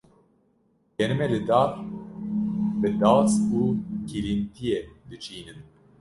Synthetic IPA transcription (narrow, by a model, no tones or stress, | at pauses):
jɛnɨmɛlɨd̪aːɾ | bɨd̪aːsuːkʰilint̪ʰijɛd̪ɨt͡ʃiːnɨn